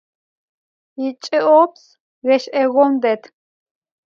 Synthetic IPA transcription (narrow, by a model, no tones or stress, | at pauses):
jit͡ʃʼiʔɔps | ɣɛʃɛɣɔmd̪ɛt̪ʰ